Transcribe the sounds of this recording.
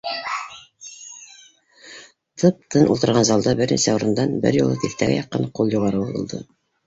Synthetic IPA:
t̪ʰɤp̚t̪ʰɤnʔulˠt̪ɤ̆ɾʁɑnzɑlˠd̪ɑbɘɾnisæuɾɤ̆nd̪ɑnbɘ̰ɾjṵ̆lˠɤt̪iθt̪æɡæ̰jɑqːɤ̰nqulˠjuʁɑɾɤbuɤ̰̆lˠd̪ɤ̰

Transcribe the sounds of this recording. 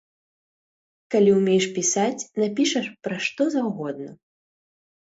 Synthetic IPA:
kalʲiumʲejʂpʲisat͡sʲnapʲiʂɐʂpɾaʂt̪ɔzawɣɔd̪nɐ

